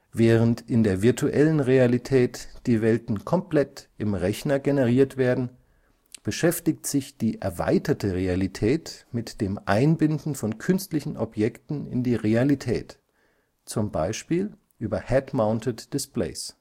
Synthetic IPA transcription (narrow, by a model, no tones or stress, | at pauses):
vɛːʁəntɪndeːɐvɪɐtʰuʔɛlənʁealitʰɛːtd̥iːvɛltn̩kʰɔmpl̥ɛtɪmʁɛçnɐɡenəʁ̞iːɐtv̥eːɐdn̩ | b̥əʃɛftɪktz̥ɪçd̥iːʔɛɐva̰ɪtɐtʰəʁealitʰɛːtmɪtd̥eːmʔa̰ɪnbɪndn̩fɔnkʰʏnstlɪçn̩ʔɔpjɛktn̩ɪ̰ndiːʁealitʰɛ̰ːt | t͡sʊmba̰ɪʃpiːl | ʔyːbɐhɛtmaʊntətd̥ɪsplḛɪs